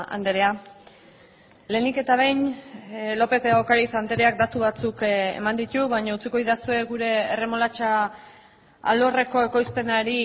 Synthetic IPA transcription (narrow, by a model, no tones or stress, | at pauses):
a̰nd̪e̞ɾe̞a | le̞ːnike̞t̪aβ̞e̞jɲ | lo̞pe̞t̪eokaɾisand̪e̞ɾe̞ak̚d̪at̪uβat͡sukḛmand̪it̪uβaɲaut͡siko̞iðasue̞ɡuɾe̞ːre̞mo̞lat͡ʃa | a̰lo̞re̞ko̞e̞ko̞jspe̞naɾi